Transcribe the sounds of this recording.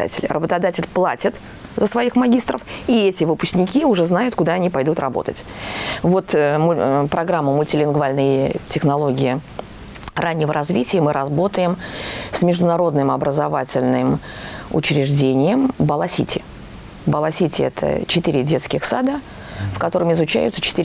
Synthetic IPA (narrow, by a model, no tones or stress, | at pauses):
a̰tʲɪlʲrʔəbət̪ɐd̪atʲɪlʲplˠatʲɪt̪ | zəsvɐixmɐɡʲist̪rəfiɛtʲɪvɨpʊ̥sʲknʲɪkʲiʊʐɛznajʊt̪kʊd̪aɐnʲipɐjd̪ut̪rɐ̰bo̞̰t̪ə̰tʲvo̞t̪mpɾɐɡɾamːəmʊlʲtʲɪlʲɪnɡvalʲnəjtʲɪxnɐlˠo̞ɡʲɪɪ | rʔanʲːɪvəɾʔɐzvʲitʲɪjəmɨɾʔɐzbo̞t̪əjɪmsmʲɪʐd̪ʊnɐɾo̞d̪nɨmɐbɾəzɐvatʲɪlʲnɨm | ʊ̰t͡ɕɾʲɪʐdʲenʲɪjəmbəlˠɐsʲḭtʲʰɪ | bəlˠɐsʲitʲɪɛt̪ʰə̰t͡ɕɪt̪ɨɾʲɪdʲe̞t̪skʲɪxsad̪ə | fkɐt̪o̞ɾəmɪzʊt͡ɕæ̰jʊ̰t̪sət͡ɕɪ̥t̪ɨɾʲ